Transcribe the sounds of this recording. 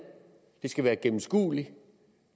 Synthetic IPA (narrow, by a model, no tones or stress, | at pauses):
d̥e̝sɡ̥æʋæːɐɡ̥emm̩sɡ̥ṵːli